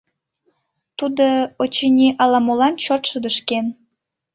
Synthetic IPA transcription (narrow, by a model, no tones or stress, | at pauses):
t̪ud̪oot͡ɕinʲiʔɑlɑmolɑnt͡ɕot̪ʃəd̪əʃken